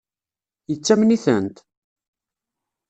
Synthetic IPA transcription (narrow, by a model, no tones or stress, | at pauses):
jət͡sːæmniθə̰nt̪